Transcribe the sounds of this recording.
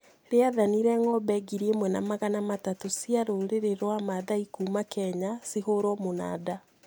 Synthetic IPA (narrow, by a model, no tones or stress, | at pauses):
ɾeaðaniɾɛŋɔbɛɡiɾiemwɛnamaɣanamatatosiaɾoɾeɾeɾwamaðaikuːmakɛɲasihoɾɔmona̰da